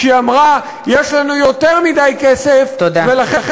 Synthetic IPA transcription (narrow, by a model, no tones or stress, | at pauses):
iamʁa | jeʃlanujo̞t̪eʁmid̪ajkesefodvelaχχ